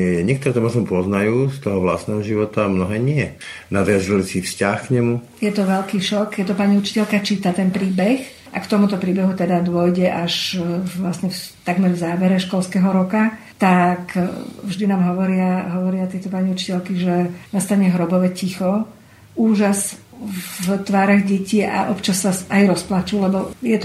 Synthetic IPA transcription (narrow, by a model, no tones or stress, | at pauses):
ɲɪɛk̚t̪ɔɾɛt̪ɔmɔʒnɔpɔznajuːst̪ɔɦɔʋla̰st̪nɛɦɔʒiʋɔt̪amnɔɦɛːɲɪɛ | nad̪ɾiazɛlsifscaxkɲɛmu | jɛt̪ɔʋɛʎkiːʃɔkjɛt̪ɔpaːɲiut͡ʃi̥cɛʎkat͡ʃiːt̪at̪ɛnpɾiːbɛx | ʔakt̪ɔmut̪ɔpɾiːbɛɦut̪ɛd̪ad̪ʊɔjɟɛʔaʃʋlasɲɛft̪aɡmɛɾvzaːʋɛɾɛʃkɔlskɛɦɔɾɔka | t̪akvʒd̪inaːmɦɔʋɔɾɪaɦɔʋɔɾɪat̪ɪɛt̪ɔpaːɲiut͡ʃi̥cɛʎkiʒɛnast̪aɲɛɦɾɔbɔʋɛcixɔ | uːʒas | t̪ʋaːɾɔɣɟɛciːa̰ʔɔpt͡ʃasːasajɾɔsplat͡ʃuːlɛbɔjɛt̪